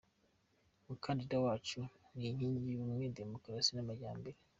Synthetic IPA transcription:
mukʰaːndidawaːt͡ʃuniɲiːɲɟiumŋede̞mokɾasinamaɟaːmbe̞ɾe

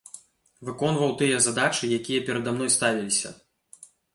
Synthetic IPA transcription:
vɨkɔnvɐwt̪ɨjɐzad̪at͡ʂɨjakʲijɐpʲɛɾɐd̪amnɔjst̪avʲilʲisʲɐ̰

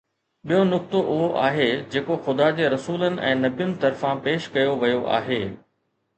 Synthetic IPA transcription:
ɓijonʊk̚t̪oʔʊɦoʔa̰ːɦed͡ʑeːkoxʊd̪ad͡ʑeːɾɐsuːlənɪ̆ʔɛ̃ːnɐbjʊnɪ̆t̪ɐɾfãpeːʃkɐjoʋɐjoʔa̰ːɦeː

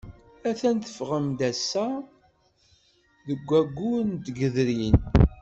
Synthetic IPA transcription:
æθænt̪ə̥fʁəmd̪æsːæ | ðəɡʷːæɡːuɾnt̪ɡəðɾin

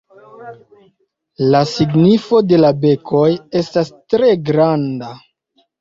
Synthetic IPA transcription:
lasiɡnifo̞de̞labe̞kʰo̞je̞stastɾe̞ɡɾanda

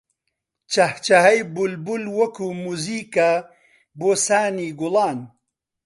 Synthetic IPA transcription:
t͡ʃɐht͡ʃɐɦɐjbulbulwɐkuːmuziːka | boːsaːniːɡʊlɑːn

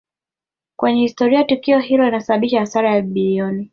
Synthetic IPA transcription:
kwɛɲɛhistɔɾiatukiɔhilɔlinasaɓaɓiʃahasaɾajaɓilɔni

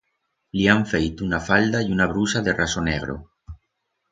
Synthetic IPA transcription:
liaɱfejt̪unafald̪aiunaβ̞ɾusaðe̞rʔasoneɣ̞ɾo̰

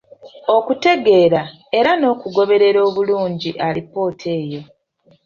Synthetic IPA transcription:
o̞kute̞ɡe̞ːɾa | e̞ɾano̞ːkuɡo̞βe̞ɾe̞ɾo̞ːβuluːɲɟiʔalipːo̞ːtʰe̞ːjo̞

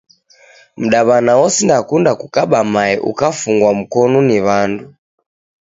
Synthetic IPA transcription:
m̩ɗaβanawɔsindakundakukaɓamaɛʔṵkafuŋɡwam̩kɔnɔniβandu

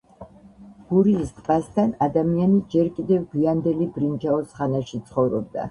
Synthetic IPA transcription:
ɡ̥uɾiːst̪ʼqʼast̪ʰanad̪amianid͡ʒɛɾkʼid̪ɛvɡiand̪ɛlibɾind͡ʒaɔsχanaʃit̪sʰχɔvɾɔb̚d̪a̰

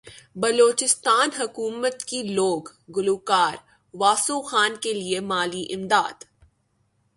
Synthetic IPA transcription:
bɐloːt͡ʃɪst̪aːnɦɐkuːmət̪kiloːɡː | ʊluːkaːɾ | ʋaːsoxaːnkeliemaːliʔɪmd̪aːd̪

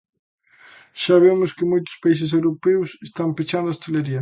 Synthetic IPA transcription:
ʃaβ̞emʊskɪmojt̪ʊ̥spais̬ɪs̬ewɾopewsest̪ampit͡ʃand̪ʊaost̪eleɾiɐ

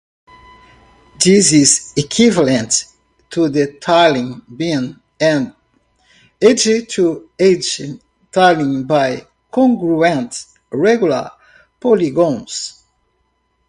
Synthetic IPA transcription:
dizizekʰwivalə̃ntʰː | ud̪ətʰalĩŋbĩn | ɛ̃n | ed͡ʒitʰued͡ʒ | talĩŋbaj | kʰɔ̃ŋɡɹuɛ̃nt | ɹɛɡjulə̰ | pɔliɡõns

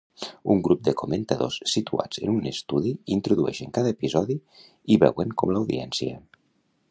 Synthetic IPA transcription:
uŋɡɾup̚d̪əkument̪aðo̰ssit̪ua̰d͡zə̰nunest̪uðiint̪ɾuðuɛ̰ʃəŋkaðaepizɔði | iβɛ̰wəŋkɔmlawðiɛnsiə̰

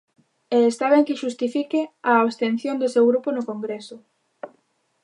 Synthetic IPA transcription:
eːst̪aβeŋkɪʃust̪ifikɪaoβst̪en̟θjond̪ʊsewɣɾuponʊkoŋɡɾesʊ

